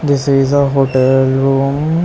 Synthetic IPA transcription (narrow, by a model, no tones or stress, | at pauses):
ɖɪsizəɦoːʈɛlɾũːm